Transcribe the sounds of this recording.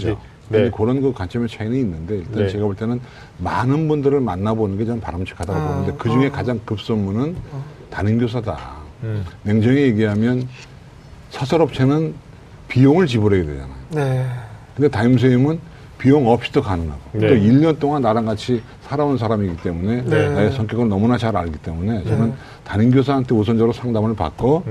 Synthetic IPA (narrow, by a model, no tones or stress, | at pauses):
d͡ʑo | ɯekoɾʌnkɯkwant͡ɕ͈ʰʌmet͡ɕʰainiinːɯnde̞iɭt͈ant͡ɕe̞ɡaboɭt͈e̞nɯn | manɯnbundɯɾɯɭmanːabonɯnɡe̞t͡ɕʌnpaɾamt͡ɕʰi̥kʰadaɾabonɯnde̞kɯd͡ʑuŋe̞kad͡ʑaŋkɯp̚s͈ʌmːunɯn | tanɯnɡjos̬ʰada̰ | ne̞ŋd͡ʑʌŋije̞ɡiɦamjʌn | sʰʌsʰʌɾʌp̚t͡ɕʰe̞nɯn | pijoŋɯɭt͡ɕiboɾeɡedwe̞d͡ʑa̰najonekɯnde̞taims̬ʰeimɯn | pijoŋʌp̚ɕ͈ʰi̥dʌkanɯŋɦaɡot͈oiʎːʌnt͈oŋanːaɾanɡat͡ɕʰi | sʰaɾaonns̬ʰaɾamiɡit͈e̞mune̞naesʰʌŋkjʌɡɯɭnʌmunat͡ɕaɾaɭɡit͈e̞mune̞t͡ɕʌnɯn | taninɡʲjos̬ʰaɦantʰe̞os̬ʰʌnd͡ʑʌɾosʰaŋdamɯɭpa̰k͈o